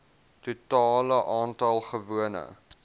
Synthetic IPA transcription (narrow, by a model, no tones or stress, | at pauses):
tutɑːləʔɑːntɐlˠχəvuənə̰